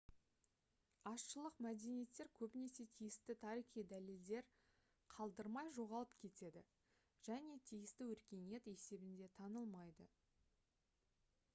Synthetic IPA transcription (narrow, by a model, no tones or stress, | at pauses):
ɑsʃəlˠəqmæd̪e̞nije̞t̪ːe̞ɾkʲʰɵbɪne̞se̞t̪ʰijɪst̪ɪt̪ʰɑɾiχijd̪æle̞ld̪e̞ɾ | qʰɑlˠd̪əɾmɑjʒo̞ʁɑlˠəp̚kʲʰe̞t̪e̞d̪ɪ | ʒ̥æne̞t̪ʰijɪst̪ɪwɵɾkʲe̞ne̞t̪e̞se̞bɪnd̪e̞t̪ʰɑnəlˠmɑjd̪ə